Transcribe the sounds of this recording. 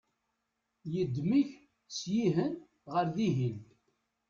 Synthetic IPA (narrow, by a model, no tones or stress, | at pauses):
jəd̪ːmiç | sjiɦən | ʁəɾðiɦin